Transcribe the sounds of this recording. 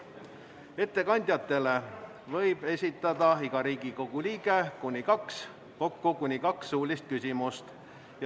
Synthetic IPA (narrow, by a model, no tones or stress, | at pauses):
e̞t̪ːe̞kɑnʲd̪̥ʲjɑt̪ːˑe̞le̞ | vɤ̞jb̥e̞sʲit̪ːˑɑd̪̥ɑiɡ̥ɑɾiːɡ̥iko̞ɡ̥uliːɡe̞kunʲikɑks | ko̞kːukunʲikɑksːuːlʲist̪̚kysʲimust̪ | j